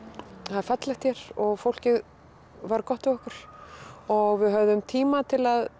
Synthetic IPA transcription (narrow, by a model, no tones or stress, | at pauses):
haðfat̪lɛxt̪çjɛɾ̥ɔɣfowl̥cɪð | vaɾkɔht̪ɪɔhkʏɾ̥ | ɔɣvɪðɦœvðʏmt̪ʰiːmat̪ʰɪlað